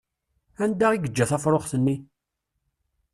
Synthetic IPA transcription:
ænd̪æʁiɡəd͡ʒːæθæfɾˤoχθənːi

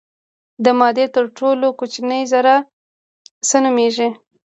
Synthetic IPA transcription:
d̪əmɑd̪et̪əɾʈolokot͡ʃinəjzaɾa | sənumeʒe

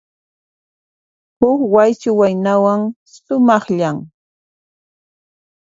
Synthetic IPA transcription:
hʊkwajt͡ʃʊwajnawaŋ | sʊmɑχʎaŋ

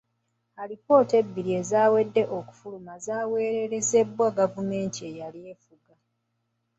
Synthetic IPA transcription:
alipo̞ːte̞bːiɾie̞zaːwe̞dːe̞ʔoku̥fulumazaːwe̞ːɾe̞ɾe̞ze̞bwaɡavume̞ːntʰiejalje̞ːfuɡa

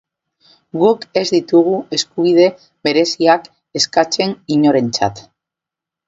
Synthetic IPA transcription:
ɡuke̞zd̪it̪uɣ̞ue̞skuβ̞ið̞e̞ | βe̞ɾe̞siak | e̞skat͡ʃe̞niɲo̞ɾe̞nt͡sa̰t̪

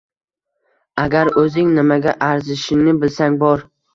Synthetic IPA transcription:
aɡʲaɾɵzɪŋnɪmaɡʲaʔaɾzɪʃɪnɪbɪlsaŋbɒɾ

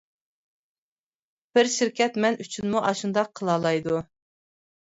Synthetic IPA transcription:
b̥ɪɾʃiɾkʲɛt̪mɛnyt͡ʃʰynmuʔɑʃund̪ɑqʰːəlˠɑːlˠɑjd̪u

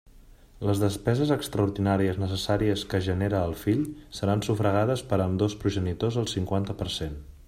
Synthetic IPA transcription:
ləzðəspɛzəzəkst̪ɾəuɾðinaɾiəznəsəsaɾiəskəʒəneɾəːlˠfiʎsəɾansufɾəɣ̞að̞əspəɾəmd̪ospɾuʒənit̪ozəlˠsiŋkwant̪əpəɾsen

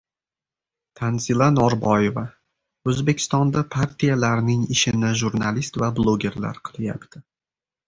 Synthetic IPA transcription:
t̪ʰanzilˠanɒɾbɒjeva | ɵzbe̞kʲʰɪ̥st̪ɒnd̪apʰaɾt̪ʰijalaɾnɪŋɪʃɪnɪʒuɾnalist̪vablˠoɡʲe̞ɾla̰ɾqʰɨlˠja̰pt̪ʰɪ

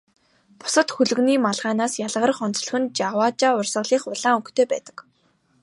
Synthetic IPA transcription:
pʊ̥sə̆t̪xɵɮɵ̆ɣniːmaɮʁaːnaːsjaɮʁə̆rə̆χɔnt͡sɮə̥̆xɘ̆nt͡ɕawaːt͡ɕaːʊrsə̆ɮiːχʊɮaːŋɵkt̪ʰeːpæːt̪ə̥̆k

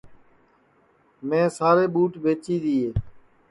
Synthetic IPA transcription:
mẽːsaːɾeːɓuːʈbeːt͡ʃiːd̪iːɦeː

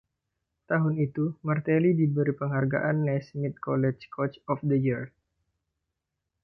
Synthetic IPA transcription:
t̪aɦʊnit̪umart̪elidibəɾipəŋɦarɡa̰ʔanːɛsmit̪̚kɔlɛt͡ʃkʰot͡ʃɔfdəjir

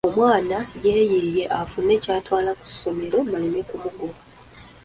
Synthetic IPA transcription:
o̞mwaːnaje̞ːjeje̞ʔafunːe̞ːcaːtwaːlaku̥some̞ɾo̞mbalemekumuɡoβa

